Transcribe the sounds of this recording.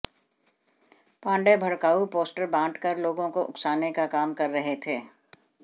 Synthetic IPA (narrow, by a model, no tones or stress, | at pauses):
pãːɳɖebʱɐɽkaːupoːsʈəɾbãːɳʈkɐɾloːɡõkoʔʊ̰ksaːnekakaːmkɐɾːɐɦet̪ʰeː